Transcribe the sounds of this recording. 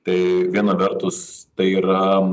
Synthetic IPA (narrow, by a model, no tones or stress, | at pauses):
t̪ɐɪʋʲiɛnɐʋʲɛrt̪ʊst̪ɐɪiːɾɐ